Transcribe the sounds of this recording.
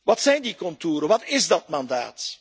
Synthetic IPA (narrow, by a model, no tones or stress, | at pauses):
ʋɑtsɛjndikɔntuːɾəʋɑtɪzdɑtmɑnda̰ːt